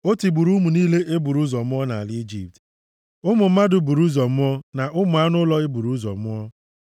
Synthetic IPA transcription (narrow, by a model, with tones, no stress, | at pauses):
o˦ti˨bu˨ɾu˦mu˨niː˦le˦ʔe˦bu˨ɾu˦zɔ˨mʊ˦ɔ˦na˨a˨ld͡ʒḭ˨p̚t | ʊ˦mʊ˨m̩˦ma˦dʊ˨bu˨ɾu˦zɔ˨mʊ˦ɔ˦na˨ʔʊ˦mʊ˨a˦nʊ˦lɔ˦e˦bu˨ɾu˦zɔ̰˨mʊ˦ɔ˦